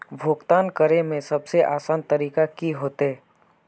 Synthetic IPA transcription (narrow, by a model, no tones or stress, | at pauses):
bʱoːkt̪aːnkəɾemẽsɐbseʔaːsaːnt̪ɐɾiːkakiɦoːt̪ɦeː